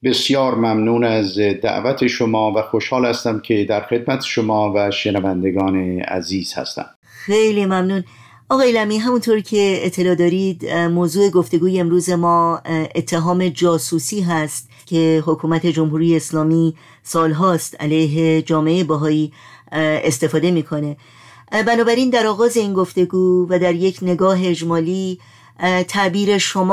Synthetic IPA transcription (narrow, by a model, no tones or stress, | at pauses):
be̞sjɒːɾmæmnuːnæzd̪æ̰ʔvæt̪ʰeʃomɒːvæxoʃhɒːlhæst̪æmcʰed̪æɾxe̞d̪̚mæt̪ʰe̥ʃomɒːvæʃenævænd̪eɡɒːneæ̰ziːz̥hæ̰st̪æ̰m | xejliːmæmnuːn | ʔɒːɣɒːjelæmiːɦæmunt̪ʰoɾcʰe̞ːt̪ʰːe̞lɒːd̪ɒːɾid̪moːzuːe̞ɡo̞ft̪e̞ɡuːjeemɾuːze̞mɒːʔet̪ʰːeɦɒːme̞d͡ʒɒːsuːsiːɦæst̪ | cʰe̞ɦo̞kʰuːmæt̪ʰe̞d͡ʒo̞mɦuːɾijeːslɒːmi | sɒːlɦɒːst̪æ̰lejɦe̞d͡ʒɒːmeeebæɦɒːiː | est̪e̞fɒːd̪e̞miːkʰo̞ne̞ | bænɒːbæɾiːnd̪æɾɒːɣɒːze̞iːnɡo̞ft̪e̞ɡuːvæd̪æɾje̞cʰne̞ɡɒːɦe̞ːd͡ʒmɒːliː | t̪ʰæʔbiːɾe̞ʃo̞mː